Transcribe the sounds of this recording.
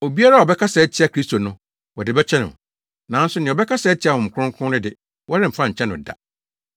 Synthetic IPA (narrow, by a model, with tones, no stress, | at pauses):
o˨bi˦a˦ɾa˦˨ɔ˨bɛ˦kʰa˦sɛ˨˦t͡ɕʰɪ˦a˨kʰɾi˦sto˨nʊ̃˦ | wɔ˨dɪ˨bɛ˦t͡ɕᶣʰɛ˦nʊ̰̃˨ | nã˨˦n̩˦sʊ˦nɪ̃˨ɔ˨bɛ˦kʰa˦sɛ˨˦t͡ɕʰi˨˦a˨hʊ̃˨m̩˨kʰʊ˦ʊ̃˦ŋ˦kʰʊ̃˦ɾɪ˦dɪ˨ | wɔ˦ɾɪ̃˦m̩˨fã˦˨ɲ̩˨t͡ɕʰɛ̃˦nʊ̃˨da̰˨